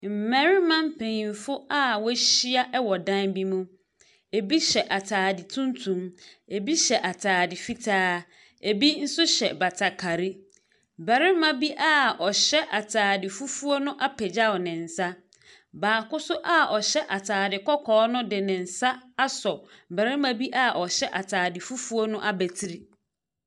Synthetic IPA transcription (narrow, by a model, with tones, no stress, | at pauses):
m̩˨mæ˨˦ɾi˦mã˦m˦pʰẽ˨ɲĩ˨m˨fʊ˦a˦˨wɔ˦ɕi˦a˦ʔɛ˦wɔ˨dã˦nbi˦mũ˦ | e˨bi˦ɕɛ˨ʔa˨tʰaː˨dɪ˨tʰũ˦n˦tʰũ˨me˨bi˦ɕɛ˨ʔa˨tʰaː˨dɪ˨fi˦tʰaː˦ | e˨bi˦n̩˦sʊ˦ɕɛ̰˨ba˨tʰa˨kʰa˨ɾi˦ | bæ˨ɾɪ˦mã˦bi˦ʔa˦ɔ˨ɕɛ˦ʔa˨tʰaː˨dɪ˨fu˦fu˦o˦nʊ̃˦ʔa˦pʰɛ˨d͡ʑa˦ɔ˨nɪ̃˨n̩˨sa˦ | baː˨kʊ˦sʊ˦ʔa˦ɔ˨ɕɛ˦ʔa˨tʰaː˨dɪ˨kʰɔ˦kʰɔː˨˦nʊ̃˦dɪ˨nɪ̃˨n̩˨sa˦a˦sɔ˨bæ˨ɾɪ˦mã˦bi˦ʔa˦ʔɔ˨ɕɛ˦ʔa˨tʰaː˨dɪ˨fu˦fu˦o˦nʊ̃˦ʔa˦bæ˨tʰi˦ɾi˨